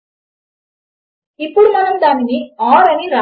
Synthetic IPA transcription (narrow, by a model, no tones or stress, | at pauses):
ɪpːuɽɯmɐnɐmd̪aːminiaːɾɐmiɾaː